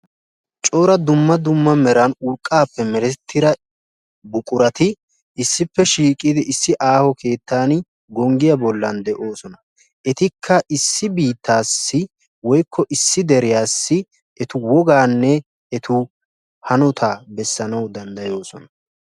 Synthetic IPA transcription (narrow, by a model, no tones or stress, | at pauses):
t͡ʃʼo̞ːɾɐd̪ʊmːɐd̪ʊmːɐmɛɾɐnʊɾkʼːaːpːɛmɛɾɛt̪ʰːɪɾɐ | bʊkʼʊɾɐt̪ɪ | ʔɪsːɪpːɛʃiːkʼɪd̪ɪʔɪsːɪʔaːhɔkʰe̞ːt̪ːaːn | ɡɔŋɡɪjɐbɔlːɐnd̪ɛʔo̞ːsɔnɐ | ʔɛt̪ɪkʰːɐʔɪsːɪbiːt̪ːaːsːɪ | wɔjkʰːɔʔɪsːɪd̪ɛɾɪjaːsːɪ | ɛt̪ʊwɔɡaːnːɛ | ɛt̪ʊ | hɐnɔt̪ʰaːbɛsːɐnɐwd̪ɐnd̪ɐjo̞ːsɔnɐ